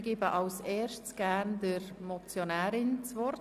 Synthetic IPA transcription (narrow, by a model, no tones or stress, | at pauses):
ɡ̥iːbəʔɑlsɛːɾʃtt͡sɡ̥æːndəɾmɔt͡sjonɛːɾɪnt͡sʋɔr